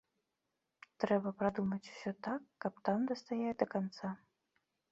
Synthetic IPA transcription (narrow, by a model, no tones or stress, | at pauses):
t̪ɾɛbɐpɾad̪umɐt͡sʲu̥sʲɔt̪akːɐpt̪amd̪ɐst̪ajɛjd̪ɐkant̪sa